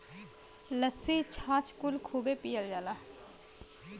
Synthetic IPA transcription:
ləsit͡ʃʰaːt͡ʃʰkʊlkʰuːbepijəld͡ʒaːlaː

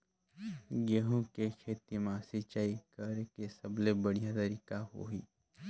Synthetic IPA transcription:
ɡeɦõkekʰeːt̪imãːsit͡ʃaːikɐɾkesɐblebəɽ̤ijat̪ɐɾiːkaɦo̰ːɦiː

